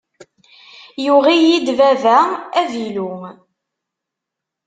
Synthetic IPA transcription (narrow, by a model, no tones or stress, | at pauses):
juʁijid̪vævæævilu